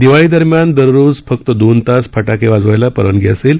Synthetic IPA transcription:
d̪iʋaɭiːd̪əɾmjand̪əɾɾod͡zfək̚t̪əd̪ont̪aspʰəʈakeʋad͡zʋajlapəɾənɡʱɛ̰əsel

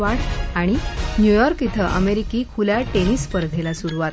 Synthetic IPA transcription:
ʋaɽaɽ̃injujɔɾkit̪ʰəʔə̰meɾikikʰuljaʈeñispəɾd̪ʱelasuɾuʋat̪

